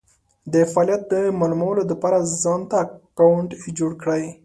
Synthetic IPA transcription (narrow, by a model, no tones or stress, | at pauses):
d̪əfɑlijat̪̚d̪əmɑlumawəlod̪əpɑɾazɑnt̪akawɳʈd͡ʒoɽkɽaj